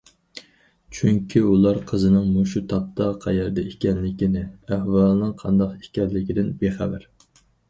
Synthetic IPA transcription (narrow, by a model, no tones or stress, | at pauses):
t͡ʃʰyŋkʲʰiulˠɑɾqʰəzɨnɨŋmoʃut̪ʰɑp̚t̪ʰɑqʰæjɛɾd̪ɛikʲɛnlɪkʲinɪæhwɑlˠɨnɨŋqʰɑnd̪ɑqi̥kʲɛɾlɪkʲid̪ɪnbeχæbæɾ